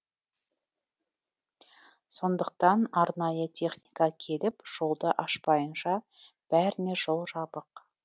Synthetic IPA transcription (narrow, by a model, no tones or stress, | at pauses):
so̞nd̪əq̚t̪ɑnɑɾnɑjət̪ʲʰe̞χnijkɑkʲʰe̞lɪpʒ̥o̞lˠd̪əʔɑʃpɑjənʃɑb̥æɾɪne̞ʒo̞lˠʒɑbəq